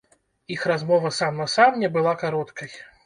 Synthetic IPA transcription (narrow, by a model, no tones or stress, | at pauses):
ixrazmɔvɐsamnɐsamnʲɛbɨlˠakaɾɔt̪kɐj